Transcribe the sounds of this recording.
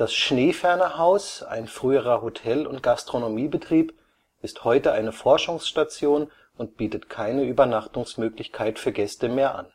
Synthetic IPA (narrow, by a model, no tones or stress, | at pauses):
d̥asʃneːfɛɐnəhaʊsa̰ɪnfʁ̥yːəʁ̞ɐhotʰɛlʊ̰nt̚ɡ̥astʁ̥onomiːbətʁ̥iːp | ɪsthɔʏtəʔaɪnəfɔɐʃʊŋsʃtat͡sjoːn | ʊnt̚b̥iːtətkʰaɪnəyːbɐnaχtʊŋsmøːklɪçkʰaɪtfyːɐɡɛstəmeːɐʔa̰n